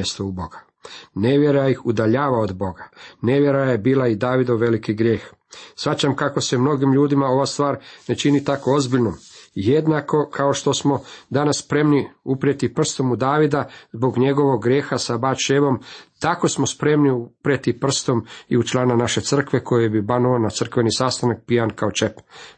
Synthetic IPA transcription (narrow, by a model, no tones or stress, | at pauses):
est̪oubo̞ɡa | ne̞ʋjeɾajixud̪aʎaːʋaod̪bo̞ɡane̞ʋje̞ɾaje̞biːlaid̪aːʋid̪oʋe̞likiɡɾje̞ːx | sʋat͡ɕamkako̞semno̞ɡimʎuːd̪imao̞ʋast̪ʋaːɾne̞t͡ʃinit̪akoo̞zbiʎnomjed̪nako̞kʰao̞ʃt̪o̞smo̞d̪anasːpɾe̞mniupɾijet̪ipr̩st̪o̞mud̪aːʋid̪azbo̞ɡɲe̞ɡo̞ʋo̞ɡːɾje̞ːxasabat͡ʃeʋo̞mt̪ako̞smo̞spɾe̞mniupɾet̪ipr̩st̪o̞miut͡ʃlaːnanaʃe̞t̪sr̩kʋe̞ko̞jebibanuonat̪sr̩kʋe̞nisast̪anak̚pijankaot͡ʃep